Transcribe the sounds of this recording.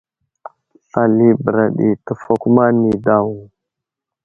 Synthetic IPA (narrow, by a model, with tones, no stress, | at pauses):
a˨li˨bə˨ɾa˨ɗḭ˨tə˨fo˨ku˦ma˦ni˨da˦wu˨